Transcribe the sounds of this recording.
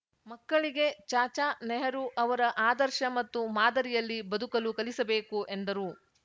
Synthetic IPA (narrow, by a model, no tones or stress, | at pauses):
mɐkːɐɭiɡe̞t͡ʃaːt͡ʃaːnɛɦɐɾuʔɐʋɐɾɐʔaːd̪ɐɾʃɐmɐt̪ːumaːd̪ɐɾijɐlːibɐd̪ʱukɐlukɐlisɐbe̞ːkuʔe̞nd̪ɐɾu